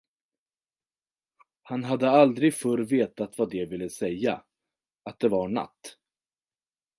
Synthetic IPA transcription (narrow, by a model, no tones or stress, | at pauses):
hanɦad̪ːəald̪ɾɪɡfœɾveːt̪at̪vad̪ɛvɪlːəsɛjːa̰ | at̪̚d̪ɛvaɳa̰t̪ː